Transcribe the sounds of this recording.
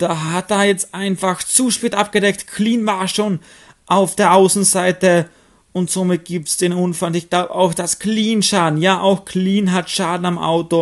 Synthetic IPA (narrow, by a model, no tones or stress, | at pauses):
d̥aːɦat̚d̥aːɐjɛt͡stʔaɪnfaxt͡suʃpeːtʔap̚ɡ̥ədɛktkʰliːnvaːɐʃoːn | ʔaʊfd̥eːɐʔaʊsn̩zaɪtə | ʊntz̥oːmɪt̚ɡ̥iːp̚tsd̥eːnʔʊnfalɪçɡ̥laʊbəaʊxd̥askliːnʃaːdn̩jaːʔaʊxkʰliːnɦatʃaːdn̩amʔa̰ʊto